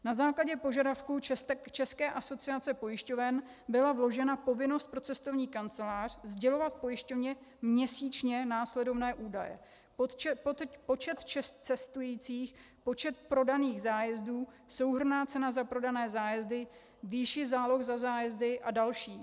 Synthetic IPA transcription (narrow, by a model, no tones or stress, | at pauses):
nazaːklaɟɛpo̞ʒadafkuɛsɛkt͡ʃɛskɛːʔaso̞t͡sɪat͡sɛpo̞jɪʃco̞vɛn | bɪlavlo̞ʒɛnapo̞vɪno̞st̪̚pɾo̞t͡sɛst̪o̞vɲiːkant͡sɛlaːr̝̥zɟɛlo̞vat̪̚po̞jɪʃcovɲɛ | mɲɛsiːt͡ʃɲɛnaːslɛdo̞vnɛːʔuːdajɛ̰ | ppo̞t͡ʃɛt̪t͡ʃɛt͡sɛst̪ujiːt͡siːx | po̞t͡ʃɛt̪̚pɾo̞daniːɣzaːjɛzduː | so̞wɦr̩naːt͡sɛnazapɾo̞danɛːzaːjɛzdɪ | viʃɪzaːlo̞xzazaːjɛzdɪʔadalʃiː